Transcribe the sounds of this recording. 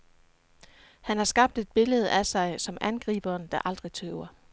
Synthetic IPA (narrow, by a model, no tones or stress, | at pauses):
hænhɑ̈sɡ̥ɑ̈b̥̚d̥e̝d̥̚b̥e̝ləð̞̩ˠæsɑ̈ɪsɒ̽mænɡ̥ʁḭːb̥ɐːnd̥ɑʔɑ̈ld̥ʁit͡sʰøʊɐ